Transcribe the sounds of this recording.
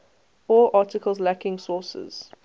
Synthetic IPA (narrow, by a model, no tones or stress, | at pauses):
ɔʔɑːˑtɪkʰəlˠzlækɪ̃ŋsɔːˑsə̰z̥